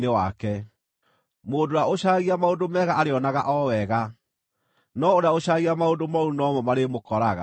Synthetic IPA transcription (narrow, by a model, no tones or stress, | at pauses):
newakɛ | moːndoaoɕaɣiamaondomɛɣaaɾeɔnaɣaʔɔwɛɣa | nɔoɾaoɕaɣiamaondomaunɔmɔmaɾemokɔɾaɣa̰